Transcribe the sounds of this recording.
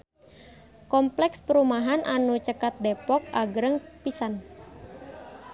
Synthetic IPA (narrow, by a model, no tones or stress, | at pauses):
kɔmplɛkspəɾumaɦanʔanut͡ʃəkat̪̚depɔk̚aɡɾəŋpisan